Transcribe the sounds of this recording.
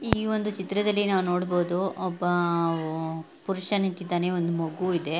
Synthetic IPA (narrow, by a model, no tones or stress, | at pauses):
iːʋond̪ut͡ʃit̪ɾɐd̪ɐlːinaːʋuno̞ːɽbo̞ːd̪uɔbːɐ | puɾuʂɐnint̪id̪ːaːne̞ond̪umɐɡuid̪e̞